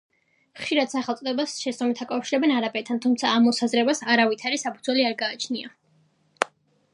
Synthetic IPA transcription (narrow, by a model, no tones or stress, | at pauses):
χʃiɾad̪̥saχɛlt̪sʼɔd̪ɛbasʃɛst̪ʼɔmit̪ʰakʼafʃiɾɛbɛnaɾapʼɛt̪ʰːant̪ʰumt̪sʰaːmːɔsazɾɛbasaɾavit̪ʰaɾisapʰud̪zwɛliaɾɡaːt͡ʃʰnia